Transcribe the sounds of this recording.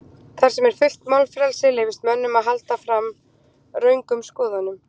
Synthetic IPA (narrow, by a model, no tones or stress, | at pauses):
θaɾ̥sɛmɛɾ̥fʏl̥t̪mawlfɾɛlsɪleːjvɪst̪mœnːʏmaðɦalt̪afɾam | rœːɥŋkʏmskɔːðanʏm